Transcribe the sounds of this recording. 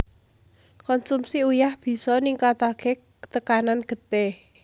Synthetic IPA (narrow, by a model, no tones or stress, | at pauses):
kɔnsumsiujahb̥i̤sɔniŋkat̪ake | t̪əkananɡ̥ə̤t̪e